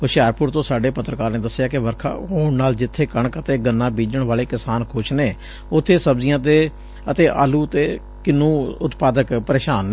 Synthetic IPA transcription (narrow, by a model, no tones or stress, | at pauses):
oʃaːɾpʊɾt̪õːsaːɖeːpət̪ːɾəkaːɾneːd̪əsːɪjaːkɪʋəɾkʰa̰ːɦoːɳnaːld͡ʒɪt̪ʰːeːkəɳəkət̪eːɡənːãːbiːd͡ʒəɳʋaːleːkɪsaːnkʰʊt͡ʃʰneː | ʊt̪ʰːeːsəbzɪjãːt̪eː | ət̪eːʔa̰ːluːət̪eː | kɪnːũːʊt̪paːd̪əkpəɾeːʃaːn